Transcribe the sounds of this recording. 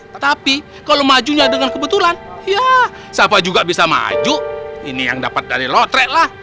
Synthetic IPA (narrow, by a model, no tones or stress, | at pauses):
t̪api | kalomad͡ʒuɲadəŋankəbət̪ulanja | sapad͡ʒuɡabisama̰d͡ʒuḭnija̰ŋda̰pat̪̚daɾilɔt̪ɾɛʔlah